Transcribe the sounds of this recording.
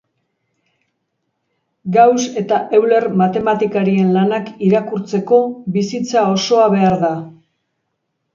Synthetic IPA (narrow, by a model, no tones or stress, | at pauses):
ɡawse̞t̪aʔewle̞ɾmat̪e̞mat̪ikaɾie̞nlanakiɾakuɾt͡se̞ko̞bisit͡sao̞so̞aβe̞aɾða